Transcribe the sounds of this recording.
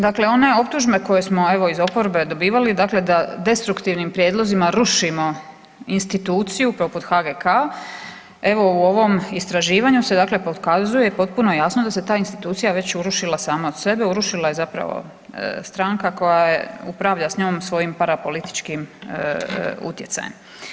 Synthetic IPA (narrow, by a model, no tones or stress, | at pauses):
d̪akle̞o̞ne̞o̞p̚t̪uʒme̞ko̞je̞smo̞e̞ʋo̞izo̞po̞ɾbe̞d̪o̞biːʋalid̪akle̞d̪ad̪e̞st̪ɾukt̪iʋnimpɾjed̪lˠo̞zimaɾuʃimo̞ | inst̪it̪uːt̪sijupɾo̞put̪xaɡekʰa | e̞ʋo̞uo̞ʋo̞mist̪ɾaʒiːʋaɲuse̞d̪aːkle̞pokazuje̞po̞t̪̚puno̞jasnod̪ase̞t̪aːinst̪it̪uːt̪sijaʋe̞t͡ɕuɾuʃilˠasaːmaod̪̥se̞be̞uɾuʃilaje̞zapɾa̰ʋo̰ | st̪ɾaŋkako̞jajḛupɾaʋʎasɲo̞ːmsʋo̞jimpaɾapo̞lit̪i̥t͡ʃkim | ṵt̪je̞t̪sa̰jḛm